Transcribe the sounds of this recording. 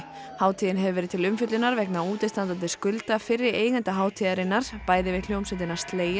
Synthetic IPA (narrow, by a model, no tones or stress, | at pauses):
haːwt̪ʰijɪnɦɛvʏvɛɾɪt̪ʰɪlʏmfʏt̪lʏnaɾvɛknauːt̪ɪst̪ant̪ant̪̬ɪskʏlt̪afɪrːɪeːjɣant̪aɦaːwt̪ʰiðaɾɪnːaɾ̥paːjðɪvɪl̥joːwmsɛnt̪ɪnaɾ̥st̪leːja